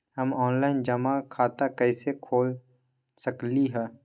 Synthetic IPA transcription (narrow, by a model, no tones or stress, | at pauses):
hɐmɔːnlaːɪnd͡ʒɐmakʰaːt̪akɛːsekʰoːl | sɐkliɦɛː